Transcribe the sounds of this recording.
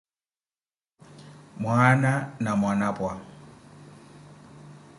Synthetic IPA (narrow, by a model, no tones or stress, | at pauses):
mwananamwanapʼwa